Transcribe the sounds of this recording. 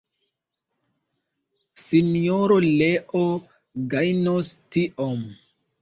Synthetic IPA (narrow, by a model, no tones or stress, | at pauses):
sinjoɾoleʔo | ɡajnostiʔom